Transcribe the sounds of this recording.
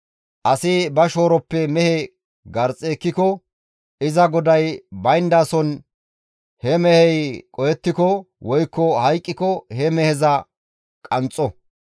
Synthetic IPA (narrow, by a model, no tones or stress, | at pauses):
ʔɐsɪbɐʃoːɾɔpːɛmɛhɛ | ɡɐɾt͡sʼeːkːɪkɔ | ɪzɐɡɔd̪ɐjbɐjnd̪aːsɔn | hɛmɛhɛjkʼɔjɛt̪ːɪkɔ | wɔjkːɔhɐjkʼːɪkɔhɛmɛhɛzɐ | kʼɐnt͡sʼːɔ